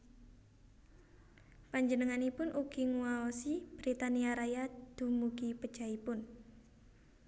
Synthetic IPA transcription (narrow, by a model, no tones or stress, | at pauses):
paɲd͡ʒənəŋanipʊnʔuɡ̥iŋuaɔsib̥ɾit̪aniaɾajad̪̥ṳmuɡipə̥ʒ̥aipʊn